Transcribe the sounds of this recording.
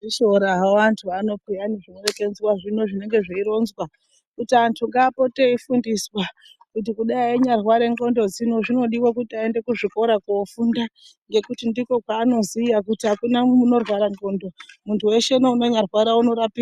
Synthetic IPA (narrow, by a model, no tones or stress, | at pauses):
iʃoɾaɦaantʰuano̞pijaniʐinorekend͡zwaʐino̞ʐine̞ŋɡe̞ʐeiɾo̞nzwa | kutiantʰuŋɡaːpo̞te̞ifundiswa | kut̬ikuɗaieɲarwaɾe̞ŋɡo̞ndo̞d͡zino̞ʐino̞ɗiwak̬utiaende̞kuʐiko̞ɾakuofunda | ŋɡe̞kutindiko̞kwaːno̞zijak̬utiɦakunamuno̞rwaɾaŋɡo̞ndo̞muntʰuwe̞ʃenounoɲarwaɾauno̞ɾapiː